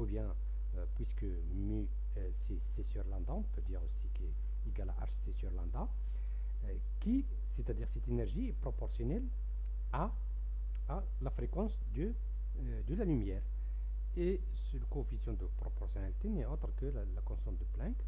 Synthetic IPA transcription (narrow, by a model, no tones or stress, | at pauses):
ubjɛ̃ | pwiskə | my | sesesjœʁlɑ̃d̪ãɔ̃pød̪iʁosike | iɡalaʔa̰ʁʃsesjɔʁlɑ̃d̪a | ki | set̪ad̪iʁsɛt̪enɛʁʒiɛpʁɔpɔʁsjɔnɛl | a | a | lafʁekɑ̃sd̪ə | d̪əlalymjɛʁ | e | səlkɔ̃fisjɔ̃d̪əpʁɔpɔʁsjɔnalit̪enɛot̪ʁəkəlalakɔ̃sɔ̃d̪əplɛ̃k